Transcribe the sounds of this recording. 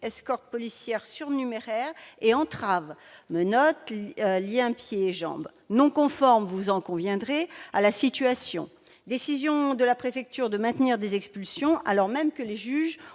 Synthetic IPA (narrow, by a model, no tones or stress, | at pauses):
ɛskɔʁt̪̚pɔlisjɛʁsyʁnymeʁɛʁeɑ̃t̪χav | mənɔt̪ljɛ̃pjeːʒɑ̰̃b | nɔ̃kɔ̃fɔʁmvuzɑ̃kɔ̃vjɛ̃d̪ʁealasit̪yasjɔ̰̃ | d̪esizjɔ̃d̪əlapχefɛk̚t̪yʁd̪əmɛ̃t̪niʁd̪ezɛkspylsjɔ̃ʔa̰lɔʁmɛmkəleʒyʒ